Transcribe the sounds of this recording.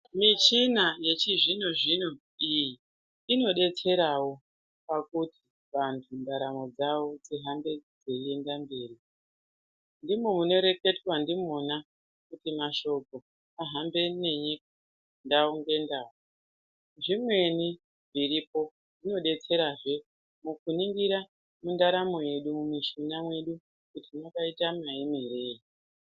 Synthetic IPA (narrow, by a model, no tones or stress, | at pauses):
mit͡ʃinaje̞t͡ʃiʐino̞ʐino | iji | ino̞ɗe̞t͡se̞ɾawo̞ | pakuti̥ | ʋantʰundaɾamo̞d͡zawo̞d͡ziɦambe̞d͡zeie̞ndambeːri | ndimomuno̞ɾe̞ke̞twandimona | kutimaʃo̞ko̞ | aɦambe̞ne̞ɲik̚ḁ | ndaoŋɡe̞ndaːwo | ʐimwe̞ni | ʐiɾipo̞ | nino̞ɗe̞t͡se̞ɾaʐe̞ | mukuniŋɡiɾa | mundaɾamo̞je̞ɗumumiʃinamwe̞ɗu | kutimakaitamaimiɾe̞ːi